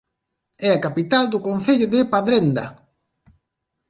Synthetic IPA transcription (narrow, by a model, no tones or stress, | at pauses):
ɛakapit̪ald̪ʊkõnθeʎʊðɪpaðɾend̪ɐ̰